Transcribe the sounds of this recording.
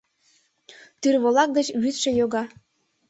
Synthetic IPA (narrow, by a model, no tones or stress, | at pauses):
t̪yrβolɑk̚d̪ət͡ɕβyt̪ʃĕjoɣɑ